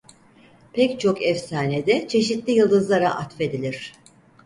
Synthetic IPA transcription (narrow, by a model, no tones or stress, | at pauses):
pʰɛct͡ʃʰo̞kɛfsaːne̞d̪ɛt͡ʃʰe̞ʃit̪lʲijɯlˠd̪ɯzlˠaɾaʔat̪fe̞d̪ilʲiɾ̥